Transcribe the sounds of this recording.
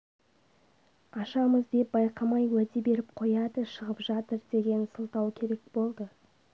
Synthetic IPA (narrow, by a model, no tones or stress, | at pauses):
ɑʃɑməzd̪e̞p̚bɑjqʰɑmɑjwæt̪ebe̞ɾɪp̚qʰo̞jɑd̪əʃəʁəpʒɑt̪əɾd̪e̞ɡʲe̞nsəlˠt̪ɑwkʲʰe̞ɾe̞k̚bo̞lˠd̪ə